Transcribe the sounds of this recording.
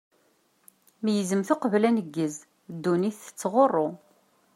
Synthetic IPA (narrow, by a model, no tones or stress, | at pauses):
mjəzəmθʊqəvlænəɡːəz | d̪ːuniθə̥t͡sːʁorˤːo